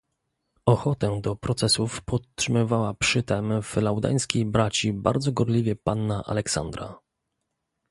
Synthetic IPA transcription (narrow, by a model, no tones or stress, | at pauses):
ɔxɔt̪ɛd̪ɔpɾɔt̪sɛsufpɔt̪ʂɘmɘvawapʂɘt̪ɛmv̥lawd̪a̰j̃skʲijbɾat͡ɕiba̰ɾd̪zɔɡɔɾlʲivʲɛpanːaʔa̰lɛksa̰nd̪ɾa̰